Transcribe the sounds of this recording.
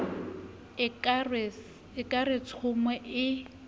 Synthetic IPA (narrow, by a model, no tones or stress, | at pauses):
r | ɪkʼaret͡sʰʊmwɛʔɪ